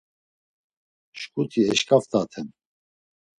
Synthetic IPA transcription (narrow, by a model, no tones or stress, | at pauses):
ʃkʼut̪ʰiɛʃkʼaft̪ʼat̪ʰɛn